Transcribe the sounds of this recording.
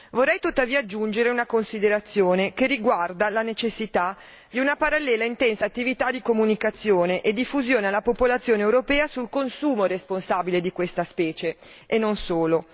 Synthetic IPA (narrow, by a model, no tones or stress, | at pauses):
vorːɛjt̪ut̪ːaviːaːd͡ʒːund͡ʒeɾeunakonsid̪eɾat̪sːjoːnekeriɡward̪alanet͡ʃesːit̪a | d̪iunapaɾalːɛːlaint̪ɛnsaːt̪ːivit̪ad̪ikomunikat̪sːjoːneʔed̪ːifːuzjoːnealːapopolat̪sjoːnewɾopɛːasulkonsuːmoɾesponsabiled̪ikwest̪aspɛːt͡ʃeʔenːonsoːlo